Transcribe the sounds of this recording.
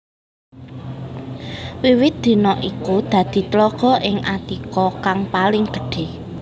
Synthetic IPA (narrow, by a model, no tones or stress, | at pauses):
wiwɪt̪̚d̪̥i̤nɔʔikud̪̥ä̤d̪̥i̤t̪lɔɡ̥ɔ̤ʔɪŋʔat̪ikɔkaŋpalɪŋɡ̥ə̤̥ɖ̥e̤